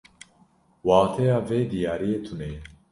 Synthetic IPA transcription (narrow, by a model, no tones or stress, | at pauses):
wɑːt̪ʰɛjɑːveːd̪ijɑːɾijeːt̪ʰuneː